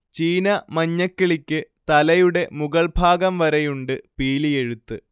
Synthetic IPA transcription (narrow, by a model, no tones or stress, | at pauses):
t͡ɕiːnɐmɐɲːɐkːiɭikʲːɨt̪ɐlɐjuɽe̞muɡɐɭbʱaːɡɐmʋɐɾɐjuɳɖɨpiːlije̞ɻut̪ːɨ